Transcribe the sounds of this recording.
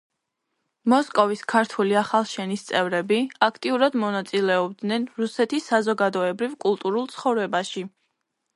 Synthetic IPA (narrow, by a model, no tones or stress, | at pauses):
mɔskʼɔviskʰaɾt̪ʰuliaχalˠʃɛnist̪sʼɛvɾɛbiakʰt̪ʼiuɾad̪mɔnat̪sʼilɛɔbd̪nɛnɾusɛt̪ʰisːazɔɡad̪ɔɛbɾivkʼulˠt̪ʼuɾulˠt̪sʰχɔvɾɛbaʃi